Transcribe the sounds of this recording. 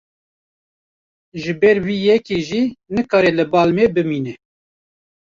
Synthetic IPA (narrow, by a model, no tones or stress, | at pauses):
ʒɨbɛɾwiːjɛkeʒiːnɨkɑːɾɛlɨbɑːlmebɨmiːnɛ